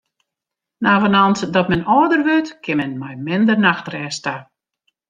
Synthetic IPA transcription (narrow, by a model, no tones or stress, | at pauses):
naːvənɔnsdɔtmɛnɔːdərʋøtkʰɪmɛnmɛjmɪndərnaxtrɛːsta